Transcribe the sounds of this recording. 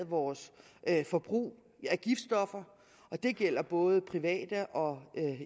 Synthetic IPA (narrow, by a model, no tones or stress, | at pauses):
ð̩ˠʋɒːs | fɒ̽b̥ʁṵː | æɡ̥ifd̥sd̥ɒ̽fɐ | ʔɒ̽d̥e̝ɡ̥el̰ɐb̥ɔ̽ːð̞ˠpʰʁiʋɛ̰ːd̥əʔɒ̽